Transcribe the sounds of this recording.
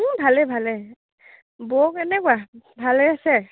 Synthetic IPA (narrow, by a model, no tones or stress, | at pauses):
bʱalɛbʱalɛ | bɔkɛnɛkʊabʱalɛasɛ